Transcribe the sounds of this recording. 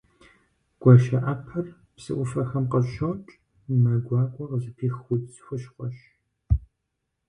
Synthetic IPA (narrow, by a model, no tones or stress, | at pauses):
ɡ̥ʷɔʃɐʔɐpʰɐr | psɨ̰ʔʷʊfɐxɐmqəɕowt͡ʃʼ | mɐɡʷɑːkʷʼɔqəzɨpʰiːxxʷʊdʼzxʷʊʃqʷɔʃ